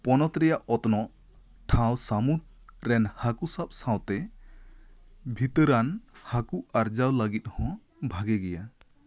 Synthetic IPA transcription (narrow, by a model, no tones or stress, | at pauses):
pɔnɔt̪ɾɛjaʔɔt̪nɔ | ʈʰãwsamut̪̚ | ɾɛnhakusap̚sãwt̪ɛ | bʱit̪əɾanhakuaɾd͡ʒawlaɡit̪̚hɔ̃ | bʱaɡɛɡɛja